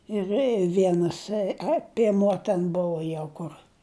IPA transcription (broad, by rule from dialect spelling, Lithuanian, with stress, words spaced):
ɪr ˈʋʲiɛnɐs ɐ pʲiɛˈmuɔ tʲɛn ˈbʊʋoː ˈjɛʊ ˈkʊr